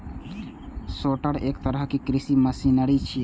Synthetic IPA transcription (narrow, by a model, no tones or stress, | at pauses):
soʈəɽekt̪əɾəɦkikɾisiməsinəɾit͡ʃʰi